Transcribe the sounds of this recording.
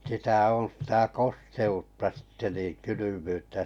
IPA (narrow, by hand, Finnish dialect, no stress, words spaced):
sitæ õː sĭtæ kosteutːɑ sitːe niːn kylymyːtːæ